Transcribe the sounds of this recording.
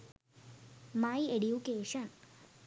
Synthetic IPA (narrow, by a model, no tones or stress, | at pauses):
majeɖjukeːʃɐn